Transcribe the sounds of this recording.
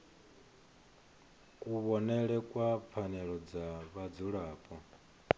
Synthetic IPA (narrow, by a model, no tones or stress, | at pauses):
kʼuβɔnɛɺɛkʼwap̪fʰanɛɺɔd͡zaβad͡zuɺaːpʼɔ